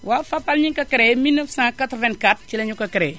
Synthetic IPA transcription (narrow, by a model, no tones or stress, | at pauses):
wafapalɲĩŋkakəɾeminːəfsãkatɾvɛ̃nkat̚t͡ʃileɲukakəɾɛ